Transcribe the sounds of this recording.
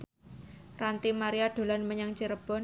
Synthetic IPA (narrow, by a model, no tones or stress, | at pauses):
rant̪imaɾiaɖ̪̥o̤lanməɲaŋt͡ʃiɾəb̥ɔn